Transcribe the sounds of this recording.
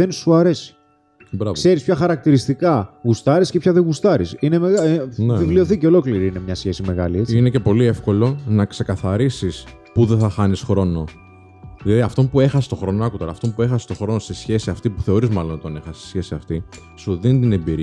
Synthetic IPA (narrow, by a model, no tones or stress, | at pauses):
ensuɐɾe̞si̥ | bɾɐvkse̞ɾispçɐxɐɾɐk̚t̪iɾist̪ikɐɣust̪ɐɾiscepçɐðeɣust̪ɐɾisine̞meɣɐnevivlioθiceolo̞kliɾiinemɲɐsçe̞sime̞ɣɐ̰liet͡sine̞ce̞po̞lie̞fko̞lo̞nɐkse̞kɐθɐɾisis | puðeθɐxɐnisxɾo̞no̞ | ðilɐðiɐft̪o̞mpue̞xɐse̥st̪o̞xɾo̞noɐkut̪o̞ɾɐːft̪o̞mpue̞xɐse̥st̪o̞xɾo̞nost̪isçe̞siɐft̪ipu̥θe̞o̞ɾizmɐlo̞nt̪it̪one̞xɐse̥st̪i̥sçe̞siɐft̪i | suðinit̪ine̞mbiɾiɐ